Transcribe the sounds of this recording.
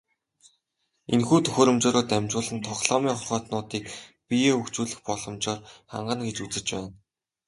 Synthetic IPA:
enxuːt̪ʰɵxʲɵːɾɵ̆mt͡ɕɔːɾʊːt̪æmʲt͡ɕʊːɮə̆nt̪ʰɔχɮɔːmiːŋχɔrχɔːt̪nʊːt̪iːkpijeːɵkt͡ɕuːɮɘ̆xpɔɮɞ̆mt͡ɕɔːrχa̰ɴɢə̆nɡet͡ɕut͡sɘ̆t͡ɕpæːn

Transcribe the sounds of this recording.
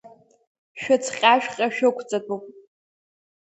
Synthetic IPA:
ʃᶣat͡sʰχʲʼaʃᶣqʲʼaʃᶣʊkʷʰt͡sʼatʼupʼ

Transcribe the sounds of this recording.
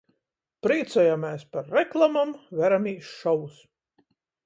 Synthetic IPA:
pɾiːt̪sɔjamɛːspaɾːɛklˠamamvʲæɾamiːʃʃɔwus

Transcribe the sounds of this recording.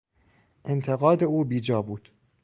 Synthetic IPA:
ʔent̪ʰeɣɒːd̪euːbiːd͡ʒɒːbuːd̪̥

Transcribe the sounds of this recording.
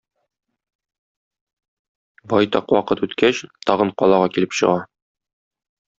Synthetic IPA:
bɒjt̪ɑqwɒqɤt̪ʉt̪kæɕt̪ɒʁɤɴqɒlˠɑʁɑkilɘpɕɤ̰̆ʁɑ

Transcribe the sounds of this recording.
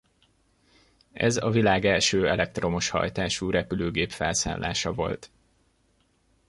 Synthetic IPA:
ɛ̰zɒvilaːɡɛlʃøːɛlɛk̚t̪ro̞moʃhɒ̰jt̪aːʃuːɾɛpyløːɡeːpfɛlsa̰ːnlːʔa̰ːʃɒvo̞lt̪

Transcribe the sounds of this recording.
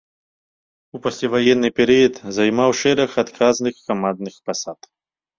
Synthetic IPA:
upɐsʲlʲavajɛnːɨpʲɛɾɨjɐt̪zajmawʂɛɾɐxat̪kʰaznɨxːamand̪̚nɨxpasat̪

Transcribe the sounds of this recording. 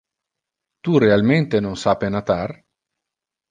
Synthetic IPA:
t̪urealment̪enonsapenat̪ar

